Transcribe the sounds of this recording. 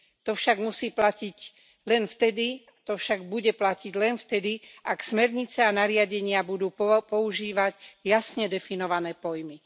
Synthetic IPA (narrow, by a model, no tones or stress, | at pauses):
t̪ɔfʃaɡmusiːplaciɟ | lɛnft̪ɛd̪iat̪ɔfʃaɡ̚buɟɛplaciɟlɛnft̪ɛd̪iʔaksmɛɾɲit͡sɛanaɾɪaɟɛɲɪabud̪uːppɔuʒiːʋaɟjasɲɛd̪ɛfinɔʋanɛːpɔjmi